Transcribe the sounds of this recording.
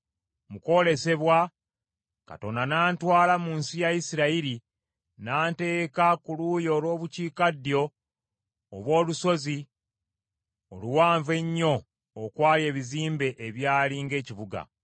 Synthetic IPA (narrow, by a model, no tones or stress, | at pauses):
muko̞le̞se̞βwa | ka̰to̞nanaːntwaːlamuːnsijaisiɾaiɾi | naːnte̞ːkakulujo̞ːlwo̞ːβuciːkadjo̞ː | βwo̞ːluso̞zi | oluwaːɱve̞ɲːo̞ː | kwaːlje̞ːβiziːmbe̞ʔeβjaːliŋɡe̞ːciβuɡa̰